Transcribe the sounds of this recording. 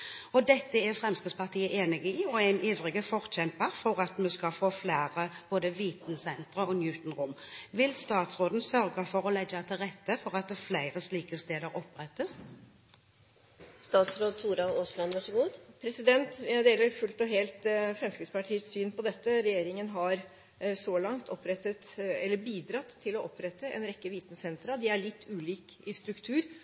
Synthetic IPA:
ɔd̪ɛt̪ːəɛʁfʁɛmskɪd̪spɑʁt̪ʰiːəʔeːnɪɡɪiːɔæɪniːʋʁɪɡəfɔʁçɛmpəʁfɔʁɑt̪mɛskɑfoːflæːʁəb̥oːd̪əʋiːt̪n̩sɛnt̪ʁəɔnjʉːt̪n̩ʁʊmʋɪlst̪ɑːt̪sʁoːd̪n̩sœʁɡəfɔʁɔlɛɡəɑt̪ʰɪlʁɛt̪ːəfɔʁɑt̪̚d̪ɛflæɪʁəsliːkəst̪eːd̪əɾɔpːʁɛt̪ːəs | st̪ɑːt̪sɾoːd̪̚t̪ʰuːɾɑoːslɑnʋɑʂəɡuːd̪pʰɾɛsɪd̪ɛnt̪ʋæɪd̪eːləɾfʉlt̪ɔɦeːlt̪fɾɛmskɾɪt̪spɑʈʰiːət̪syːnpʰɔd̪ɛt̪ːəɾɛjeːɾɪŋənɦɑɾ | sɔlɑŋt̪ʰɔpɾɛt̪ːət̪ɛlːəbiːd̪ɾɑt̪ʰːɪlɔʔɔpɾɛt̪ːəʔɛ̰nɾɛkːəʋiːt̪nəsɛnt̪ɾɑd̪ɪæɭɪt̪ʰːʉːliːkɪst̪ɾʉkt̪ʰʉːɾ

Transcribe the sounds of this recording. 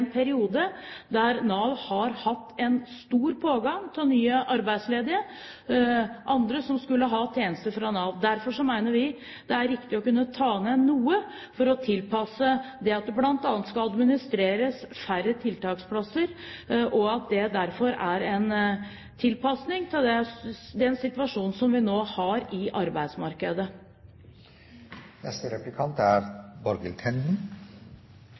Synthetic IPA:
npʰæɾɪuːd̪əd̪æɾnɑːʋhɑɾhɑt̪ːɛnst̪uːɾpʰoːɡɑŋt̪ʰɪlnyːəʔɑɾbæɪd̪sleːd̪ɪə | ʔɑnd̪ɾəsɔmskʉlːəɦɑt̪ʰjeːnəst̪əfɾɑnɑːʋd̪æɾfɔʂɔmæɪnəɾʋɪ | d̪̥ɛæɾɪkt̪ɪɔkʉnːət̪ʰɑːnɛnuːə | fɔɾɔt̪ʰɪlpʰɑsːəd̪ɛɑt̪̚d̪ɛblɑnt̪ɑːnət̪skɑlɑd̪mɪnɪst̪ɾeːɾəsfæɾət̪ʰɪlt̪ɑːkspʰlɑsəɾʔɔɑt̪̚d̪ɛd̪æɾfɔɾæɾɛn | t̪ʰɪlpʰɑsnɪŋt̪ʰɪld̪ɛd̪ɛnsɪt̪ʋɑʂuːnsɔmʋɪnoːhɑɾɪʔɑɾbæɪd̪smɑɾkəd̪ə | nɛ̰st̪əɾɛplɪkʰɑnt̪æɾbɔɾɡəlk̪ʰɛnd̪n̩

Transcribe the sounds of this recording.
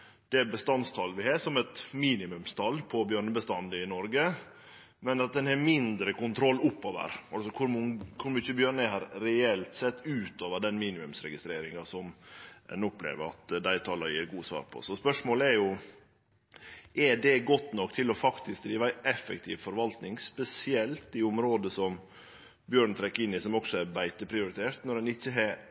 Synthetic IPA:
d̪̥ɛbəst̪ɑnst̪ʰɑlʋɪhɑːsɔmɛt̪miːnɪmʉmst̪ʰɑlpʰɔbjøːɳəbəst̪ɑnd̪əɪnɔɾɡə | mɛnɑt̪̚d̪ɛnhɛmɪnd̪ɾəkʊnt̪ʰɾɔlːʊpːoːʋə̰ɾɑlsɔkʰʊɾmŋkʰʊɾmʏt͡ʃːəbjøːɳəɦɑɾɾɛɛlt̪sɛt̪ːʉːt̪oːʋəɖɛnmiːnɪmʉmsɾɛ̰ɡɪst̪ɾeːɾɪŋɑsɔmɛ̰nɔplḛːʋəɾɑ̰t̪d̪æɪt̪ʰɑːlɑjḭːɾɡuːsʋɑ̰ːɾpʰɔ̰sɔspœʂmoːləɛɾjʊ | ɛdɛɡɔt̪nɔkːt̪ʰɪlɔfɑkt̪ɪsk̚d̪ɾiːʋæɪʔɛfːɛkt̪ʰḭːʋfɔɾʋɑlt̪nɪŋspɛsɪɛlt̪ɪʊmɾoːd̪əsɔm | bjøːɳt̪ʰɾɛkːɪnːɪsɔmɔksɔæɾbæɪt̪əpʰɾɪʊɾɪt̪ʰeːɾt̪nɔɾɛnɪçːəɦɛ

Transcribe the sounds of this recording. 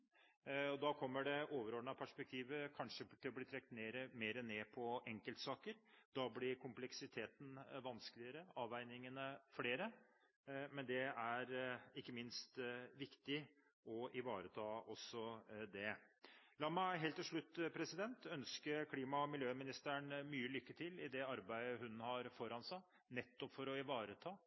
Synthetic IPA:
ɔd̪ɑkʰɔmːəɖɛʔoːʋəɾoːɳɑpʰæʂpɛk̚t̪ʰiːʋəkʰɑnʂət̪ʰɪlɔbliːt̪ʰɾɛkːt̪neːɾəmeːɾəneːpʰɔʔɛŋkəlt̪sɑːkəɾd̪ɑblɪɾkʰʊmplɛksɪt̪ʰeːt̪n̩ʋɑnsklɪəɾəɑːʋæɪnɪŋənəfleːɾə | mɛnd̪ɛæɾɪkːəmɪnst̪ʋɪkt̪ɪ | ɔʔɪʋɑːɾət̪ʰɑːɔsːɔd̪ɛlɑːmæɪɦeːlt̪ːɪlʂɭʉt̪ːpʰɾɛsɪd̪ɛnt̪œnskəkʰliːmɑɔmɪljøːmɪnɪst̪əɳmyːəlʏkːət̪ʰɪlɪd̪ɛɑɾbæɪəɦʉnhɑɾfɔɾhɑnsɑ | nɛt̪ːɔpfɔɾɔɪʋɑːɾət̪ʰɑː

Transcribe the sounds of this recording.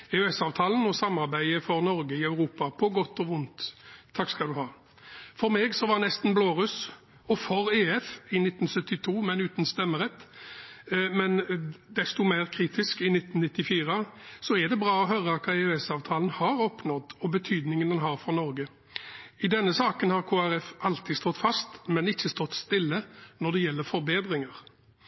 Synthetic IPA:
ɛʉɛsɑːʋt̪ʰɑːlənɔsɑmːɑɾbæɪəfɔɾnɔɾɡəɪɑʉɾuːpɑpʰɔɡɔt̪ːɔʋʊnt̪ʰːɑkskɑld̪ʉhɑː | fɔɾmeːɡsɔʋɑnɛst̪n̩bloːʁʉs | ɔfɔɾeːɛfɪnɪt̪ːn̩sœt̪ːɪt̪ʰuːmɛnʉːt̪nst̪ɛmːəɾɛt̪ː | mɛnd̪ɛst̪ʊmæɪʁkʰɾiːt̪ʰɪskɪnɪt̪ːnnɪt̪ːɪfiːɾəsɔɛd̪ɛbʁɑːɔɦœːɾəɑt̪kʰɑːeːɛsɑːʋt̪ʰɑːlənhɑːɾɔpnɔd̪ɔbət̪ʰyːd̪nɪŋənɛnɦɑːɾfɔnɔɾɡə | ɪd̪ɛnːəsɑːkənhɑʁkʰoːæɾɛfʔɑlt̪ʰɪst̪ɔt̪ːfɑst̪mɛnɪçːəst̪ɔt̪ːst̪ɪlːənɔʁd̪ɛjɛlːəɾfɔɾbeːd̪ɾɪŋəʁ

